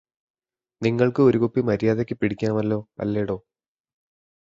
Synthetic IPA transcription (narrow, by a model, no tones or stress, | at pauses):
niŋːɐɭkɨo̞ɾukupːimɐɾijaːðokʲːɨpiɽikʲːɐɳɐmɐlːo̞ːɐ̰lːeːɽo̞ː